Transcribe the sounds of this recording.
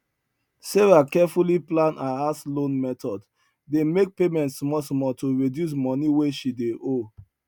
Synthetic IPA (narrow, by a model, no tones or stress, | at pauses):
seɹakɛfuliplãnʔaaslõnmɛtɔd | demek̚pemɛ̃ntsmɔsmɔtoɹidjus̬mɔniweʃideʔo